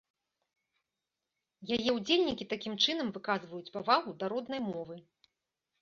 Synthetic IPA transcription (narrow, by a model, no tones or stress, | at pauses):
jajɛwud͡zʲelʲnʲikʲit̪akʲimt͡ʂɨnɐmvɨkazvɐjut͡sʲpavaɣud̪aɾɔd̪nɐjmɔvɨ